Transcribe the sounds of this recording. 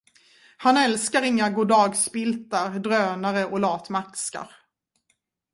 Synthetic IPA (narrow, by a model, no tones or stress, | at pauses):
hanɛlskaɾɪŋːaɡuːd̪ɑːɡsbɪlt̪aɾd̪ɾøːnaɾəʔɔlɑːt̪makska̰ɾ